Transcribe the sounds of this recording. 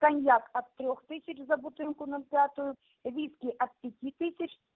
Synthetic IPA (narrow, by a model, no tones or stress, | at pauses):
kɐnʲjakɐd̪̚t̪ːɾʲɔxt̪ɪsʲɐt͡ʃzɐbʊt̪ɪnkʊnʊlʲpʲjat̪ʊjʊ | ʋʲiskʲiʔɐd̪̚pʲjɐtʲit̪ɪsʲɐt͡ʃ